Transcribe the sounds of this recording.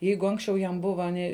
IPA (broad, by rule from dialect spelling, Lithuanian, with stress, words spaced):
ˈjɛɪɡʊ ˈɐŋksʲt͡ʃʲɛʊ jɛm ˈbʊʋɐ ˈnʲɪ